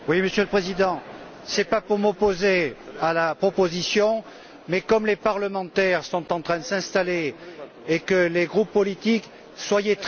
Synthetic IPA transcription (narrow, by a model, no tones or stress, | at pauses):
wiməsjøləpχezid̪ɑ̃ | sɛpapuʁmɔpozealapχɔpozisjɔ̃ | mɛkɔmlepaʁləmɑ̃t̪ɛʁsɔ̃t̪ɑ̃t̪χɛ̃d̪əsɛ̃st̪ale | ekəleɡʁupːɔlit̪ik | swajet̪